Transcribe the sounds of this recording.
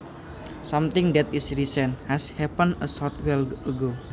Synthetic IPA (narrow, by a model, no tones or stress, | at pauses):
sãmt̪ɪŋdɛt̪ɪsɾisɛnhɛshɛpənəsɔt̪wɛləɡo